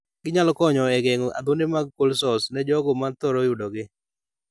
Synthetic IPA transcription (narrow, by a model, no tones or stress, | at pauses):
ɡɪɲalɔkɔɲɔɛɡeŋɔʔa̰d̪ʊndɪmaɡ̚kolsɔsnɛd͡ʒɔɡʊmat̪ɔɾɔjudɔɡɪ